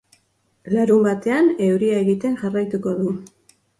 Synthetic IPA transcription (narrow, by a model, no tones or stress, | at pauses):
laɾumbat̪e̞ane̞wɾiae̞ɣit̪e̞nʝarajt̪uko̞ðu